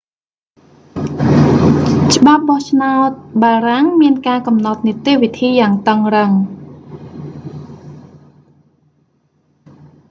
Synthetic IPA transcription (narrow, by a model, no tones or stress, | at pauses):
t͡ɕə̆ɓap̚ɓɑht͡ɕʰnaɔt̪̚ɓaːɾaŋmiənkaːkɑmnɑt̪̚nit̪eːʋit̪ʰiːjaːŋt̪əŋrəŋ